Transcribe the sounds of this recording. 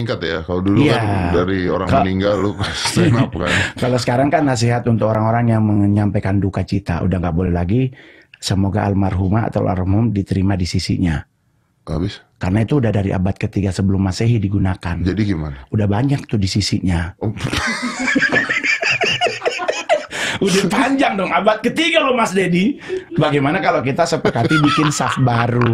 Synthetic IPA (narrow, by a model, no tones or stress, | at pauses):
iŋkat̪ja̰kaloduduijkandaɾioɾa̰ŋaniŋɡalːu̥npka̰nkalosə̥kaɾaŋkanːas̬iɦat̪unt̪ʊkoɾaŋoɾaŋjaŋməŋɲampejkandukat͡ʃit̪a̰ʔṵdahŋɡaʔbolɛhlaɡi | səmoɡaʔalmarɦumaa̰t̪a̰wa̰rmʊmdit̪əɾimadisisḭɲa | ʔa̰bis | karnait̪uːdahdaɾḭʔa̰bat̪̚kət̪iɡasəbəlʊmːaseɦidiɡunakand͡ʒadiɡima̰naudahbaɲak̚t̪ʊdisisiɲa | udapaɲd͡ʒaŋdɔŋabat̪̚kət̪iɡalɔmasdedibaɡajmanakalokit̪asəpəkat̪ibikɪnsafbaɾu